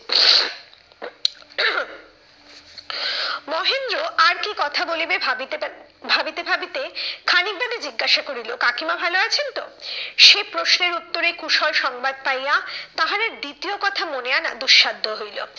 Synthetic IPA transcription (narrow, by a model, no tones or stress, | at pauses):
mɔɦend̪ɾoʔaɾkikɔt̪ʰabolebe | bʱabit̪ebʱabit̪ekʰanik̚babed͡ʑiɡːaʃakoɾilokakimabʱaloat͡ɕʰent̪o̰ʃepɾoʃneɾut̪ːoɾekuʃɔlʃɔŋbad̪̚pajjat̪aɦaɾeɾd̪it̪iokɔt̪ʰamoneana̰d̪uʃːad̪ʱːoɦojlo̰